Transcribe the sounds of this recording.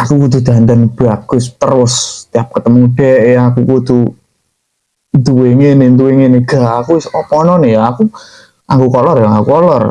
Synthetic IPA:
akukud̪ud̪̥a̤nt̪ənb̥aɡʊst̪əɾʊst̪ijap̚kət̪əmuŋɖ̥ɛʔakukut̪u | nd̪uweŋenent̪̬uweŋeneɡ̥aakuwsɔpɔnɔnejaaku | aŋɡukɔlɔrjaŋakukɔlɔ̰r

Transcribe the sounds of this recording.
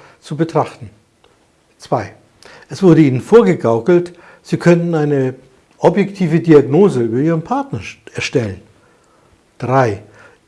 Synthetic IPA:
t͡subətʁ̥aχtn̩ | t͡sv̥aɪ | ʔɛsv̥ʊɐɾəiːnənfoːɐɡəɡaʊkl̩t | z̥iːkʰœntn̩aɪnə | ʔɔbjɛktʰiːvədiaɡnoːzəyːbɐiːʁənpʰaɐtnɐɛɐʃtɛlən | d̥ʁaɪ

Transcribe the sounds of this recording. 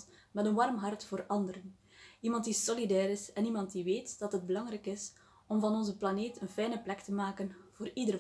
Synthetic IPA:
mɛtənʋɑrmɦɑrtfoːɾɑndəɾən | imɑntdisɔlidɛːɾɪsɛnimɑntdiʋeːtd̥ɑtɦəd̚bəlɑŋɾɛkɪs | ɔmvɑnɔnzəplɑneːtʰənfɛjnəplɛktəmaːkənv̥oːɾidər

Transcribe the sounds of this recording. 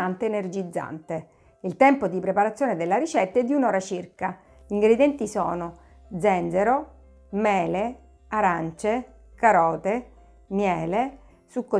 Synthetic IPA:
ant̪eːnerd͡ʒid̪zːa̰nt̪e | ilt̪ɛmpod̪ipɾepaɾat̪sːjoːned̪elːaɾit͡ʃɛt̪ːaɛd̪ːiunɔːɾat͡ʃirka | ʎiŋɡɾed̪jɛnt̪isɔ̰ːno | d̪zɛnd̪zeɾo | mɛːle | aɾant͡ʃe | kaɾɔːt̪e | mjɛːle | sukːo

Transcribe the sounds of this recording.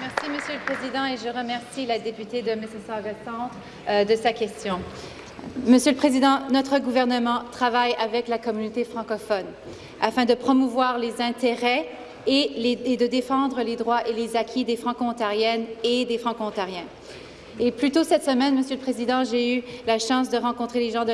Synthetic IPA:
mɛʁsiməsjøləpχezid̪ɑ̃eʒəʁəmɛʁsilad̪epyt̪ed̪əmesɛsaʁɛsɑ̃t̪ | d̪əsakʲɛst̪jɔ̃ | məsjøləpχezid̪ɑ̃nɔt̪χəɡuvɛʁnəmɑ̃t̪χavajavɛklakɔmynot̪efχɑ̃kɔfɔn | afɛ̃d̪əpχɔmuvwaʁlezɛ̃t̪eʁɛ | elːd̪əd̪efɑ̃d̪ʁəled̪ʁwaʔelezakʲʰid̪efχɑ̃koɔ̃t̪aʁjɛned̪efχɑ̃koɔ̃t̪aʁjɛ̃ | eplyt̪osɛt̪səmɛnməsjøləpχezid̪ɑ̃ʒeylaʃɑ̃s̬d̪əʁɑ̃kɔ̃t̪χeleʒɑ̃d̪ə

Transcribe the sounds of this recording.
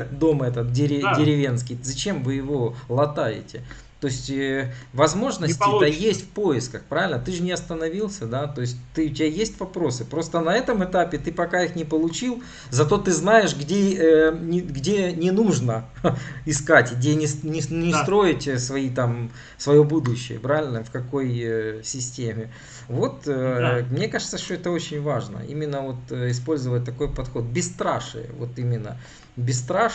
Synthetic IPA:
d̪o̞mɛt̪ət̪̚dʲɪɾʲɪdʲɪɾʲɪvʲe̞nskʲɪjzɐt͡ɕe̞mvɨjɪvo̞lˠɐt̪ajɪ̰tʲɪ | t̪o̞ɪsʲtʲvɐzmo̞ʐnətʲɪt̪əjesʲtʲfpoɪskəxpɾavʲɪlʲnət̪ɨʐɨnʲɪɐst̪ənɐvʲilˠsʲəd̪at̪o̞ɪsʲt̚ʲt̪ɨʊtʲɪajesʲtʲvɐpɾo̞sɨpɾo̞st̪ənɐɛt̪əmɨt̪apʲɪt̪ɨpɐkaixnʲɪpəlˠʊt͡ɕilˠ | zɐt̪o̞t̪ɨznajɪʂɡdʲeənʲɪɡdʲenʲɪnuʐnə | ɪskatʲɡdʲenʲɪnʲɪɪst̪ɾo̞ɪtʲsvɐit̪am | svɐjo̞bud̪ʊɕːɪjə̰pɾavʲɪlʲnəfkɐko̞jsʲɪsʲtʲemʲɪ | vo̞t̪mnʲe̞kaʐɨt̪səʂt̪oɛt̪əo̞t͡ɕɪnʲvaʐnə̰ḭmʲɪnːəvo̞t̪ɪspo̞lʲzəvət̚ʲt̪ɐko̞jpɐt̪xo̞t̪̚bʲɪst̪ɾaʂɨ̰jə̰vo̞̰t̪imʲɪnːə̰ | bʲɪst̪ɾa

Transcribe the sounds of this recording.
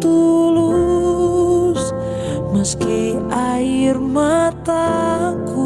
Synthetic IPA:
t̪ulu | s | məskiairmat̪aku

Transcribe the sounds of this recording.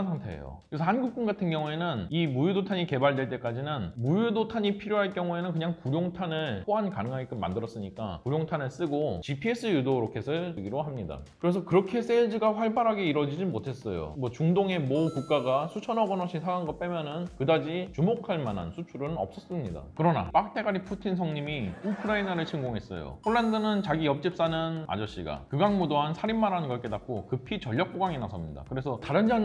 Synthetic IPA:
nsʰaŋtʰe̞̰jo̰kɾesʰʌhanɡuk̚k͈unɡatʰɯnɡjʌŋue̞nɯnimujudotʰaɲike̞baɭdwe̞ɭt͈e̞k͈ad͡ʑinɯnmujudotʰaɲipʰiɾjoɦaɭk͈jʌŋue̞nɯnkɯɲaŋkuɾjoŋtʰanɯɭp͈oɦankanɯŋɦaɡik͈ɯmma̰ndɯɾʌs͈ɯɲik͈a̰kuɾjoŋtʰanɯɭs͈ɯɡot͡ɕipʰies͈ʰɯjudoɾokʰe̞sʰɯɭɯɡiɾoɦamɲida̰kɯɾe̞s̬ʰʌkɯɾʌkʰe̞s͈eɭd͡ʑiɡaɸwaɭbaɾɦaɡe̞iɾʌd͡ʑid͡ʑimotʰe̞s͈ʌ̰jo̰mwʌt͡ɕuŋdoŋe̞mʌkuk͈̚aɡasʰut͡ɕʰʌnʌɡʌnʌɕʰisʰaɡanɡʌp͈emjʌnɯnkɯdad͡ʑit͡ɕumokʰaɭmana̰nsʰut͡ɕʰuɾɯnʌ̰p̚s͈ʌs͈ɯmɲida̰kɯɾʌna̰p͈ak̚t͈ʰe̞ɡaɾipʰutʰinsʰʌŋɲimiukʰɯɾainaɾɯɭt͡ɕʰiŋɡoŋɦe̞s͈ʌ̰jo̰ɸʰoɭːandɯnɯnt͡ɕaɡijʌp̚t͡ɕ͈ip̚s͈anɯna̰d͡ʑʌɕ͈iɡa̰kɯɡaŋmudoɦansʰaɾimːaɾanɯnɡʌɭk͈e̞dak̚k͈okɯpʰit͡ɕʌʎːʌk̚k͈oɡaŋinasʰʌmɲida̰kɯɾe̞sʰʌtaɾɯnd͡ʑan

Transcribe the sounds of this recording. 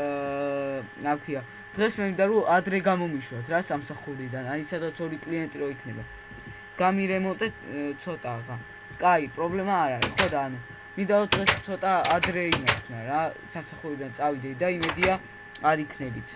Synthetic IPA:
akʰwia | d̪̥ʁɛsmɛmind̪aɾɔad̪ɾɛɡamɔmiʃwat̪ʰɾasamsaχuɾid̪anaisad̪at̪sʰɔɾikʼliɛnt̪ʼiɾɔikʰnɛba̰ | ɡ̥amiɾɛmɔnt̪ʼɛt̪sʰɔt̪ʼaʁa | kʼaipʼɾɔblɛmaːɾaɾḭχɔd̪aːnu | mind̪aɾɔd̪̥ʁɛstt̪sʰɔt̪ʼaad̪ɾɛimaʃkʰnaɾasamsaχuɾid̪ant̪sʼavid̪ɛd̪aimɛd̪ia | aɾikʰnɛbit̪ʰ

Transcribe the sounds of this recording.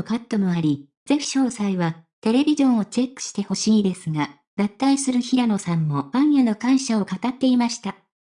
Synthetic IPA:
kat̪ːo̞mo̞aɾʲi | z̥e̞ɸɕo̞ːsaiβat̪e̞ɾe̞bʲiʑõ̞ɰ̃o̞t͡ɕe̞kːɯ̥ɕi̥t̪e̞ho̞ɕiːd̪e̞sɨŋa | d̪at̪ːaisɨɾɯ̟çiɾano̞sãmːo̞ãɰ̃jano̞kãɰ̃ɕao̞kat̪at̪ːe̞imaɕi̥t̪a

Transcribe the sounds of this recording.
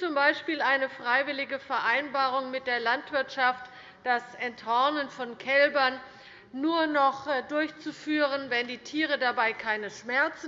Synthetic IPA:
t͡sʊmbaɪʃpiːlaɪnəfʁ̥aɪvɪlɪɡəfɛɐʔaɪnbaːʁʊŋmɪt̚d̥eːɐlantv̥ɪɐtʃaft | d̥asʔɛnthɔɐnənfɔnkʰɛlbɐnː | uːɐnɔχdʊɐçt͡sufyːʁənvɛndiːtʰiːʁ̞ədabaɪkʰaɪnəʃmɛɐt͡sn̩

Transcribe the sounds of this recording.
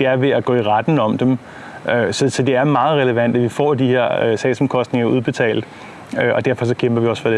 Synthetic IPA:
d̥e̝æɐʋe̝æɡ̥ɔ̰ːiʁad̥n̩ɒ̽md̥em | øsɒ̽sɒ̽d̥e̝æɐmɑ̈ːð̞̩ˠʁɛləʋæn̰d̥æʋifɒ̰ːd̥ihe̝ɐ̰sɛ̰ːsɒ̽mkʰɒ̽sd̥ne̝ŋɐuð̞ˠb̥e̝t͡sʰɛ̰ːld̥̩ˠ | øɒ̽d̥æɐfɒ̽sɒ̽kʰemb̥ɐʋiɒsfɒde

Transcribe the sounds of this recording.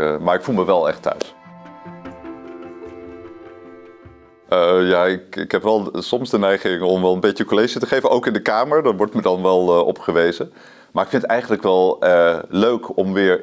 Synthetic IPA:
maːɹɪkfulˠməʋɛlˠɛ̰χtœ̰ɥs | əjaːɪkɪkɦɛpʋɛlˠsɔmzdənɛjχɪŋɔmʋɛlˠənbejtəkolejʒətəχejvənʔowkɪndəkaːməɹdɑtʋɔɹtmədɑnʋɛlˠʔɔ̰pχəʋejzə | maːɹɪkfɪntɛjχəntləkʋɛlˠløɥkɔmʋɪːɹ

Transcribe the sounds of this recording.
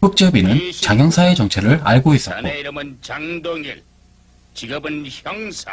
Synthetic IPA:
ɯk̚t͡ɕ͈ʌbinɯnt͡ɕaŋjʌŋsʰaet͡ɕʌŋt͡ɕʰe̞ɾɯɾa̰ɭɡois͈ʌtt͈oɯmɯnt͡ɕaŋdoŋiɭ | t͡ɕiɡɯbɯnçʌŋsa

